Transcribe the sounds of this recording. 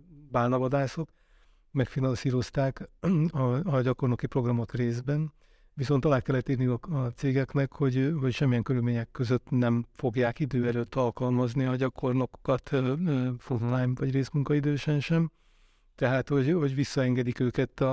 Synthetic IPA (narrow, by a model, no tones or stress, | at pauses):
baːlnɒvɒd̪aːso̞k | mɛkfinɒnsiːɾo̞st̪aːkɒːɟɒko̞rnokipro̞ɡrɒmo̞t̪reːzbɛn | visont̪ɒlaːt̪̚kɛlːɛt̪ːirniɒːt̪seːɡɛknɛkho̞ɟɦocʃɛmːijɛŋkøɾylmeːɲɛkːø̞zøt̪nɛɱfo̞ɡjaːkid̪øːɛløːt̪ːɒlkɒlmɒzniɒɟɒkʰo̞rnoko̥kɒt̪ | fonlajnvɒɟreːsmuŋkɒid̪øːʃɛnʃɛm | t̪ɛɦaːt̪ho̞ɟɦoɟvisːɒɛŋɡɛd̪ikøːkɛt̪ːɒ